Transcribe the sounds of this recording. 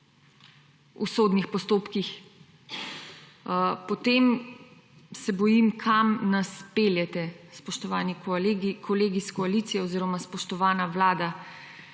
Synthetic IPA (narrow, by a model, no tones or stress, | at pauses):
ṵsoːd̪nixpɔst̪oːpkix | pɔt̪eːm | sɛbɔjimkʰamnaspeːljɛt̪ɛspɔʃt̪ɔʋaːnikʰɔleːɡiskɔalit̪sijɛoziːɾɔmaspɔʃt̪ɔʋaːnaʋlaːd̪a